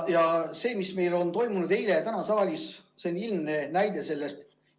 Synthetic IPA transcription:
jɑse̞ːmisme̞jlo̞nt̪o̞jmunud̪̥e̞jlet̪ænɑsɑɑlʲisseonilmne̞næjd̪̥e̞se̞lːest̪

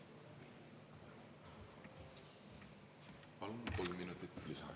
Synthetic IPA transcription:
pɑlmkolmːinut̪it̪lisɑ̰

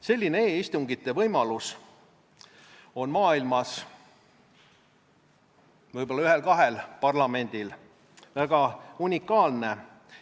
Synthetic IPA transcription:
se̞lʲːineeːist̪uŋɡ̥it̪ːˑe̞vɤjmɑlus | o̞nmɑːilmɑs | vɤjb̥olːɑyɦe̞lkɑɦe̞lpɑrlɑme̞nʲd̪̥il | væɡ̥ɑunʲikːˑɑːlne̞

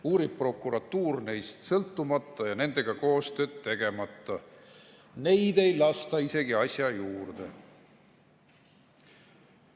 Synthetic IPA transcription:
uːɾib̚pro̞kːˑuɾɑt̪ːuːrne̞jst̪sɤlt̪ːumɑt̪ːˑɑjɑne̞nd̪̥e̞ɡ̥ɑko̞ːst̪ø̞ːd̪t̪ːe̞ɡ̥e̞mɑt̪ːˑɑ | ne̞jd̪e̞jlɑst̪ɑise̞ɡiɑsʲjɑjuːrd̪̥e̞̰

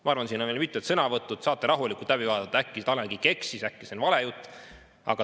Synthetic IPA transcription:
mɑɑrvɑnsiːnonelmit̪ːˑet̪sɤnɑvɤt̪ːˑut̪sɑːt̪ːˑeɾɑɦulikːˑult̪læbivɑːd̪ɑt̪ːɑækːist̪ɑleɡike̞ksisækːisenvɑle̞jut̪ːˑ | ɑ̰ɡ̥ɑ

